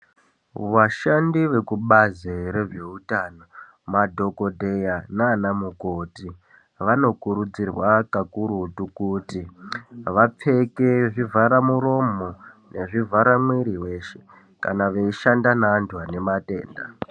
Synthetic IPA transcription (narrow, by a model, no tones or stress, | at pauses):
ʋaʃandiʋe̞kuɓazeɾe̞ʐeutano̞ | madʱo̞ko̞dʱejanaːnamukoːti | ʋano̞kuɾud͡zirwakakuɾutukuːtiʋap͡fe̞ke̞ʐivʱaɾamuɾo̞monʔe̞ʐivʱaɾamwiɾiwe̞ːʃe̞̥ | kanaʋeiʃandanaːntʰuane̞mate̞̰ːnda̰